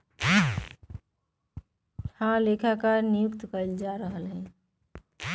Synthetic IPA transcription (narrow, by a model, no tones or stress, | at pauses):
hãlekʰakanijukt̪kəɪld͡ʒaɾəɦəlɦɛ̃